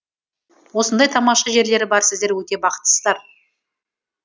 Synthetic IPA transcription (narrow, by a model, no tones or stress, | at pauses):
wo̞sənd̪ɑjt̪ʰɑmɑʃɑʒe̞ɾle̞ɾɪbɑɾsɪzd̪e̞ɾwɵt̪e̞bɑqə̥t̪ːəsəzd̪ɑɾ